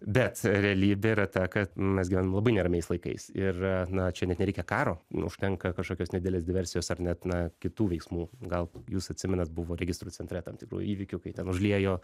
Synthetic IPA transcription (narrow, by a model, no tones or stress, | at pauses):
bʲɛt̪ɾʲɛɐlʲiːbʲɛiɾɐt̪ɐkɐt̪mʲɛsɡʲɪʋænɐmlˠɐbɐɪnʲɛɾɐmʲɛɪslˠɐɪkɐ̰ɪsɪrnɐt͡ʃʲɛnʲɛt̪nʲɛɾʲɛɪkʲɛkɑːɾoːʊ̰ʃʲt̪ʲɛŋkɐkɐʃkoːkʲoːsnʲɛd̪ʲɪd̪elʲeːsd̪ʲɪʋʲɛɾʲsʲɪjoːsɐrnʲɛt̪nɐkʲɪt̪uːʋʲɛɪksmuːɡɐlˠjuːsɐt̪ʲsʲɪmʲɛnɐt̪bʊʋoːɾʲɛɡʲɪst̪ɾut͡sʲɛnt̪ʲɾʲɛt̪ɐmt̪ʲɪkɾṵːjṵiːʋʲɪkʲʊkɐɪt̪ʲɛnʊʒʲlʲiɛjoː